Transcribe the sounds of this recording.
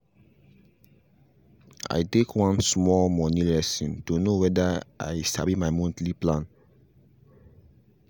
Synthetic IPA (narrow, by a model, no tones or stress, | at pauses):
a̰ɪtekʰwãnsmɔlmɔnilɛsɔ̃ntonowɛdaʔa̰ɪsa̰bimaɪmɔ̃ntliplãn